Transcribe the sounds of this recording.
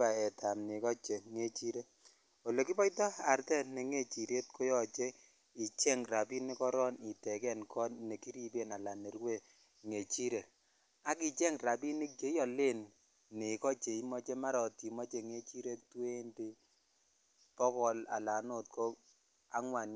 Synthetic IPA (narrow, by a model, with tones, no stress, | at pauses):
a˨ɛ˨tʰa˨mni˨kɔ˦t͡ʃe˨ŋe˦t͡ʃi˦ɾe˦ | o˨lo˨ki˦pɔ˦jtɔ˦a˨ɾtɛ˦ne˨ŋe˦˨t͡ʃi˨ɾe˦t̚kʰo˦jɔ˨t͡ʃe˦ | i˨t͡ʃɛ˦ŋɾa˨pi˦ne˦kɔ˦ɾɔ˦ni˨tɛ˨kɛ˦nkʰɔ˦nne˨ki˦ɾi˦pe˦˨na˨la˨ne˨ɾwe˦˨ | ŋe˨t͡ʃi˦ɾe˨ | a˦ki˨t͡ʃɛ˦ŋra˨pi˦ni˦k̚t͡ʃe˦jɔ˨le˦nː | ɪ˨kɔ˦t͡ʃe˨i˦mɔ˦t͡ʃe˦ma˦ɾɔ˨ti˨mɔ˦t͡ʃe˨ŋe˦t͡ʃi˦ɾe˦twe˦nte˦ | pɔ˦kɔ˨la̰˨la˨no˦˨t̚ko˦ | a̰˦ŋwa˨n